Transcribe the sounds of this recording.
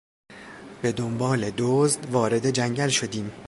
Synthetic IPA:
b̥e̞d̪ombɒːled̪oːzd̪vɒːɾe̞d̪e̞d͡ʒæŋɟælʃo̞d̪iːm

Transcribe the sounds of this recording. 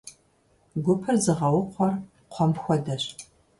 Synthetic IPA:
ɡʷʊpʰɐrzɨʁɐwʊqʷɔr | qʷʰɔmxʷɔdɐɕ

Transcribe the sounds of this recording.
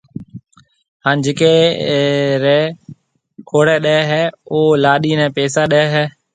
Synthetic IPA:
ɦaːnd͡ʒɪːke | ɾɛː | kʰoːɽɛːɗɛːɦɛːʊlaːɗiːnɛ̃ːpeːsaɗɛɛɦɛː

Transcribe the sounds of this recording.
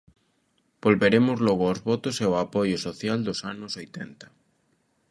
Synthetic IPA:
b̥olβeɾemʊzlɔɣʊozβɔt̪ʊseoapojʊsoθjald̪osanʊsojt̪ent̪ɐ̥

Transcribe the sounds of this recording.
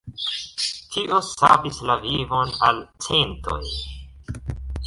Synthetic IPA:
tʰiʔo̞sa̰bislavivo̞nalt͡sento̰j

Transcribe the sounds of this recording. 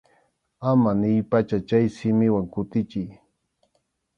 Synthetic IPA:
amanɪjpat͡ʃat͡ʃajsɪmɪwaŋkʊt̪ɪt͡ʃɪj

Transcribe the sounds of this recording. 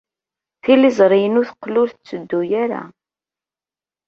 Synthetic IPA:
θilːizˤɾˤijənʊθəqːlʊlθt͡sːəd̪ːujaɾa̰

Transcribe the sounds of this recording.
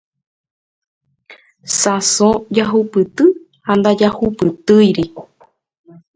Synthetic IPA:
sãsõd͡ʒaɦupɨt̪ɨ | hand̪ad͡ʒahupɨt̪ɨjɾi

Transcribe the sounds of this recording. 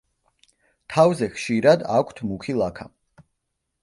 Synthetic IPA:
t̪ʰavzɛχʃiɾad̪akʷʰt̪ʰmukʰilˠakʰa

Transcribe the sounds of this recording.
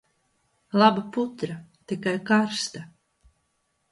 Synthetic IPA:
lˠabaput̪ɾat̪ikajkaɾst̪a

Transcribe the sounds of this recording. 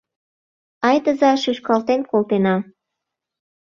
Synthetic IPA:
ɑjt̪əzɑʃyʃkɑlt̪enkolt̪enɑ

